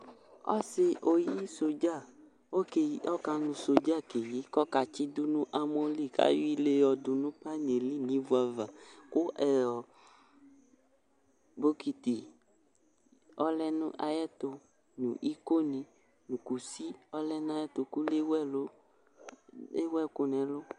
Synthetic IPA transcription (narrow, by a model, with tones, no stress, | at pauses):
ɔ̰˦se˦ʔo˨ji˦so˨d͡ʒa˦˨ | o˦ke˨˦ɔ˦ka˧nũ˨so˨d͡ʒa˦˨ke˨ji˦kɔ˦ka˨t͡ʃi˦du˦nũ˦ʔa˨mo˦li˦˨ka̰˦ji˦le˦jɔ˨du˨nũ˦pa˦n˨e˨li˦nĩ˨˦vu˨˦a˨va˨ko˦ʔɛ˨jɔ˨ | bo˦ki˨t̪i˨ | ɔ˦lɛ˦nũ˦ʔa˨jɛ˦t̪ʊ˨ | nṵ̃˨ʔi˦ko˦nĩ˨ | nũ˨ku˨si˦ɔ˦lɛ˦n˦a˦jɛ˦t̪o˨ku˦le˦wɛ˦˨lo˦ | e˦wɛ˦˨kʊ˨nɛ̃˨lʊ˦